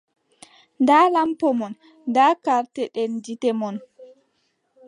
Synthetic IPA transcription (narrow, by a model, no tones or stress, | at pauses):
ndalampɔmɔn | daːkaɾtɛɗɛnd͡ʒitɛmɔn